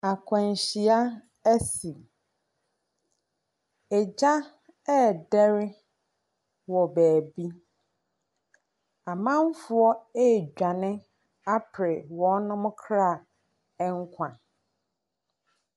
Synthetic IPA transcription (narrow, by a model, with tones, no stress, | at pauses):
a˨kʷʰɛ̃˨n˨ɕi˨a˦ | æ˦si˨ | ɛ˨d͡ʑa˦ | ɛ˦˨dɛ˦ɾɪ˦ | wɔ˨bæː˨bi˦ | a˨mã˦m˦fʊ˨ɔ˦e˦˨d͡ʑᶣa˨nɪ̃˦ | a˦pʰɾɪ˨wɔ̃˨˦nʊ̃˦mʊ̃˦kʰɾa˦˨ | ɛ˦ŋ˦kʷʰã˨